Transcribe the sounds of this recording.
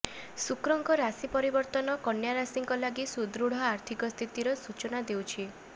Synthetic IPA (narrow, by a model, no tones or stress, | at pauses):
sukɾɔŋkɔɾasipɔɾibɔɾt̪ɔnɔkɔnjaɾasiŋkɔlaɡisud̪ɾuɽ̤ɔaɾt̪ʰikɔst̪ʰit̪iɾɔsut͡ʃɔnad̪ewt͡ʃʰi